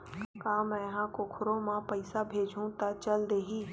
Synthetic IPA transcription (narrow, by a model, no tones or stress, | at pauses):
kaːmɛ̃ɦãkokʰʊɾõmãpɐɪsabʱeːd͡ʒʱũt̪at͡ʃəld̪eːɦiː